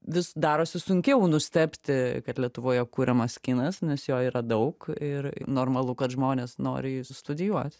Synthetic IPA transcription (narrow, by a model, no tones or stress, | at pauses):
ʋʲɪsd̪ɑːɾoːsʲɪsʊŋʲkʲɛʊnʊsʲt̪ʲɛpʲt̪ʲɪkɐt̪lʲiɛt̪ʊʋoːjɛkuːɾʲɛmɐskʲɪnɐsnʲɛsjoːiːɾɐd̪ɐʊkɪr̰noːrmɐlˠʊkɐt̪ʒmoːnʲeːsno̰ːɾʲɪst̪ʊd̪ʲɪjuɔt̪ʲ